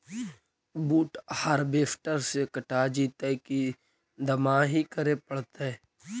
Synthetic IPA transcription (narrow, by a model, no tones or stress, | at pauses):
buːʈhəɾbeːfʈəɾsekəʈad͡ʒiːt̪ɛki | d̪əmaɦikəɾepəɽt̪eɛ